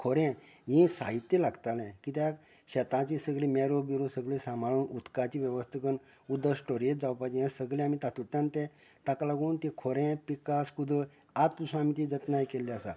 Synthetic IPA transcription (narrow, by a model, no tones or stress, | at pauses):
kʰɔɾɛ̃ɦĩsa̰ɦit̪ːelaɡt̪alɛ̃kit̪jak | ɕɛt̪ãt͡ɕisəɡɭĩmɛɾobiɾũsəɡlĩsãmaɭuːnut̪kat͡ɕiʋjɛʋəst̪ʰəkən | ud̪əsʈoɾet̪̚d͡zawpajd͡ʑijɛ̃səɡlẽamit̪at̪ut̪ːãnt̪ɛ̃t̪aklaɡũːnt̪ẽkʰɔɾɛ̃pikaskud̪ə | at̪̚p̪usũamit̪id͡zət̪najkelːiasa̰